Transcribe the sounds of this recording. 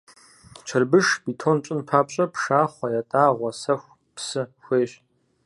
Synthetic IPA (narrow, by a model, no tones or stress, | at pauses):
t͡ʃʷʰɐrbɨʂbitʰont͡ʃʼɪnpʰaːpʼɕʼɐpʂaːχʷɐjatʼaːʁʷɔsɐxʷ | psɨxʷeːɕ